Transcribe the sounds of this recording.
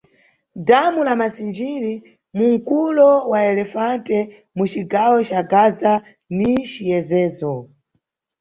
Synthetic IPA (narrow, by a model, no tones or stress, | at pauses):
damulamasind͡ʒiɾi | muŋ̩kulɔwaɛlɛfantɛ | mut͡ʃiɡawɔt͡ʃaɡaza | nit͡ʃijɛzɛːzɔ